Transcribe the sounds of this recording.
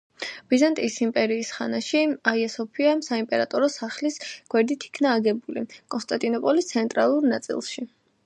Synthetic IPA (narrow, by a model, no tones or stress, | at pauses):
b̥izant̪ʼiːsimpʼɛɾiːsχanaʃiaiɛsɔpʰiasaimpʼɛɾat̪ʼɔɾɔsaχlisɡ̥wɛɾd̪it̪ʰi̥kʰnaːɡɛbulḭkʼɔnst̪ʼant̪ʼinɔpʼɔlist̪sʰɛnt̪ʼɾa̰lˠuɾnat̪sʼḭlˠʃi